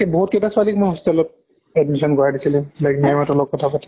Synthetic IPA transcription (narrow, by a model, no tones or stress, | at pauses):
ebɔɦut̚ketasʊalikmojɦɔstialɔt̚ | ɛdmisɔnɡɔjadisilɛ̃lajknamatɔlɔkːɔtʰapatʰi